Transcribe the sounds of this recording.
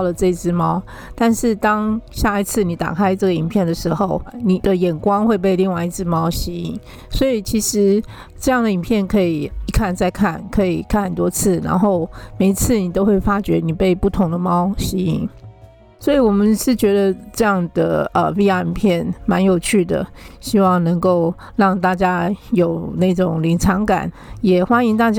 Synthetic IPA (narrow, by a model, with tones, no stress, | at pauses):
ʊlə˩ʈ͡ʂɤ˥˧i˧˩t͡sɹ̩˥˩mɑ˥ʊ | t̪a˥˧nʂɻ̩˥˧t̪ɑ˥ŋɕja˥˩i˧˩t͡sʰɹ̩˥˩ni˨˧˥t̪a̰˨˩kʰa˥ɪʈ͡ʂɤ˥˩ɡə˩i˨˩npʰjɛ˥˩nd̪ə˩ʂɻ̩˧˥xo˥˩ʊni˨˩d̪ə˦jɛ˨˩nkwɑ˥ŋxwe˥˧ɪp̬e˥˧ɪli˥˧ŋwa˥˧ɪi˥t͡sʰɹ̩˥˧mɑ˥ʊɕi˧˥ḭ˨˩˦ŋ | swɔ˧˥i˨˩t͡ɕʰi˧˥ʂɻ̩˧˥ | ʈ͡ʂɤ˥˧jɑ˥˩ŋd̪ə˩i˨˩npʰjɛ˥˩nkʰɤ˧˥i˨˩i˧˥kʰa˥˧nt͡sa˥˧ɪkʰa˥˩nkʰɤ˧˥i˨˩kʰa˥˩nxə˨˩nt̪wɔ˥t͡sʰɹ̩˥˩na̰˧˥nxo˥˩ʊme˨˩ɪi˧˥t͡sʰɹ̩˥˩ni˨˩t̪o˥ʊxwe˥˩ɪfa˥t͡ɕɥɛ̰˧˥ni˨˩pe˥˧ɪpu˥˩t̪ʰʊ˧˥ŋd̪ə˧mɑ˥ʊɕi˧˥i˨˩ŋ | swɔ˧˥i˨˩wɔ˨˩mə˦nʂɻ̩˥˩t͡ɕɥɛ˧˥d̪ə˧ʈ͡ʂɤ˥˧jɑ˥˩ŋd̪ə̰˩ə˨˩pi˥˧˥ja˥˩i˨˩npʰjɛ˥˩nma˧˦˥njo˨˩ʊt͡ɕʰy˥˩d̪ə̰˩ɕi˥wɑ˥˩ŋnə˧˥ŋko˥˧ʊ | ɻɑ˥˧ŋt̪a˥˩t͡ɕja˥jo˨˩ʊna˥˩ɪʈ͡ʂʊ˨˩ŋli˧˥ŋʈ͡ʂʰɑ˧˥ŋka̰˨˩˦njɛ˨˩xwa˥ni˧˥ŋt̪a˥˩t͡ɕ